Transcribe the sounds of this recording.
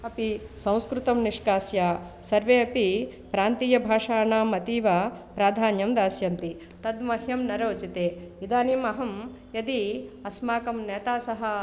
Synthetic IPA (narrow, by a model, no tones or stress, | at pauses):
ɐpisɐ̃w̃skɾut̪ɐmniʂkaːsjaːsɐɾʋeːɐpipɾaːnt̪iːjɐbʱaːʂaːnaːmɐt̪iːʋapɾaːd̪ʱaːnjɐmd̪aːsjɐnt̪i | t̪ɐd̪mɐɦjɐmnɐɾoːt͡ʃit̪eːid̪aːnimɐɦɐm | jɐd̪iɐsmaːkɐmnɛːt̪aːsɐɦɐ̆